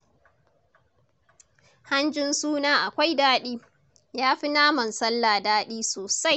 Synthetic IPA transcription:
ha˦nd͡ʒɪ˦nsuː˦naː˦ʔa˨kʷa˦jdaː˦ɗiː˦ | jaː˦ɸi˦naː˦mɐ˨nsɐ˦lːaː˨daː˦ɗiː˦soː˨sa˦j

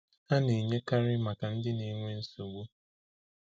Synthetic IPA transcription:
a˦ne˨ɲe˦ka˦ɾɪ˦ma˨ka˨n̩˦dɪ˦ni˨˦ŋʷe˦n̩˦su˨ɡu˦

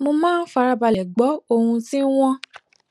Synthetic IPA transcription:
mo˧mãː˦n̩˦fa˧ɾa˧ba˧˨lɛ˨ɡ͡bɔ˨˦o˧hũ˧ti˦w̃ɔ̃˦

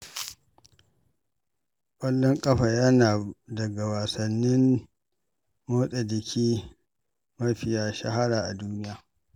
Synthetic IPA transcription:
kʷʼɐ˦lːɔ˦ŋkʼɐ˦ɸa˨jɐ˦naː˨dɐ˨ɡa˨waː˨sɐ˨nːɪ˦m | moː˦sʼɐ˨dɪ˨kʲʰiː˦ | mɐ˦ɸɪ˨jaː˦ʃɐ̰˦ɦa˦ɽaː˨ʔa˨duː˦nɪ˦jaː˨

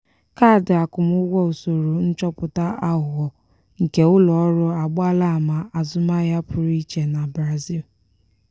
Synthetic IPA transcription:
ka˦˨dɪ˨a˨kʊ˨mʊ˦ɡʷɔ˦o˨so˨ɾo˨n̩˦t͡ʃɔ˦pʊ˨ta˦ʔa˦ʊ˨ɣɔ˨ | ŋ̩˨ke˨ʊ˦lɔ˨ɔ˦ɾʊ˦a˨ɡ͡ba˦la˦a˨ma˨ʔa˨zʊ˦ma˦ja˦pʰʊ˨ɾi˦t͡ʃe˨na˨bɾa˨zi˦˨l

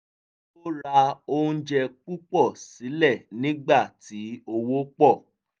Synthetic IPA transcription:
o˦ɾa˧o˧ũ˦˧˦d͡ʒɛ˧k͡pu˦k͡pɔ˦˨si˨˦lɛ˦˨nĩ˦ɡ͡ba˦˨ti˨˦o˧wo˦k͡pɔ˦˨

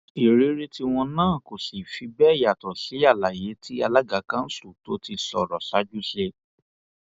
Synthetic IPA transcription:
i˨ɾe˨˦ɾe˦ti˧w̃ɔ̃˧nãː˦˨ko˨si˨fi˧˦bɛ˦˨ja˨tɔ˨ʃi˨˦a˦˨la˨je˨˦tʰi˦a˧la˦ɡa˨˦kã˦n̩˦su˦˨to˨˦ti˧sɔ˨ɾɔ˨ʃa˨˦d͡ʒu˦ʃe˧

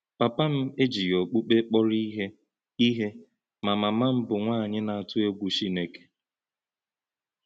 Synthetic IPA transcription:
pa˨pa˦m̩˦e˦d͡ʒi˨jo˨k͡pu˦k͡pe˦k͡pɔ˦ɾi˦ɦe˦ | i˦ɦe˦ | ma˨ma˨ma˦m̩˦bʊ˨ŋʷa˦˨ɲɪ˦na˨a˨tʊ˦e˦ɡʷu˨ʃi˦ne˦ke̥˨

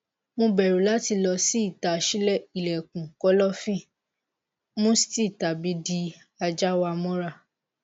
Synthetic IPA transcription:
mõ˧bɛ˨ɾu˨la˨˦ti˧lɔ˧si˦i˦˨ta˨ʃi˦lɛ˦˨i˨lɛ˨kũ˨kɔ˨˦lɔ˦fĩ˦˨ | mõ˦si̥˦ti˦˨ta˨bi˨˦di˧ | a˧d͡ʒa˦wa˧mɔ̃˦ɾa˦˨

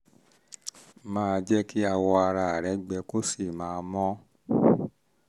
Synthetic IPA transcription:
mãː˦˧d͡ʒɛ˦ki˦a˧wɔ˧a˧ɾa˧a˨ɾɛ˨˦ɡ͡bɛ˧ko˦si˨mãː˧˦˧mɔ̃˦

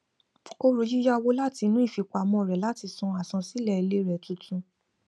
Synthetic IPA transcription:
o˧ɾu˨ji˦ja˦˧wo˦la˦ti˧nũ˦i˦˨fi˨˧ka˨˧mɔ̃˧˨ɾɛ˨la˦ti˧sɔ̃˧a˨sɔ̃˧si˨˦lɛ˦˨i˧le˦ɾɛ˨tũ˨˧tũ˧

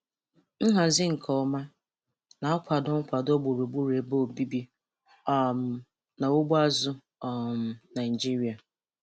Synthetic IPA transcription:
ŋ̩˦ɦa˨zɪ˦ŋ̩˨kʰɔ˨˦ma˦ | na˨ɔ˦kʷa˨dʊ˦ŋ̩˦kʷa˨dɔ˦ɡ͡bo˨ɾu˨bu˦ɾe˨bo˦˨bi˦bi˦ | ɔ˦˨m˨ | na˨o˦ɡ͡ba˦zʊ˦ | ɔ˨m˨na˨d͡ʒi˦ɾi˨a˨

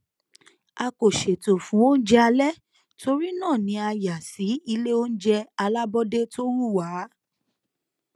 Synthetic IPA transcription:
a˧ko˨ʃe˨to˨fũ˨˦wo˦n̩˦d͡ʒɛ˦a˧lɛ˦ | tʰo˧ɾi˦nãː˦˨nĩ˧˦a˧ja˨si˨˦i˧le˦o˦n̩˦d͡ʒɛ˧a˧la˦bɔ˦de˦to˦ɾu˦˨wa˨˦

